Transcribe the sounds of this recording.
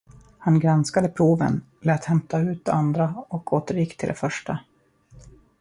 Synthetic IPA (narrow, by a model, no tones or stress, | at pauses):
hanɡɾanskad̪əpʰɾuːvə̰n | lɛːt̪hɛmt̪aʉ̟ːt̪̚d̪ɛand̪ɾaɔkʰoːt̪əɾjɪkːt̪ʰɪld̪ɛ̰fœʂʈa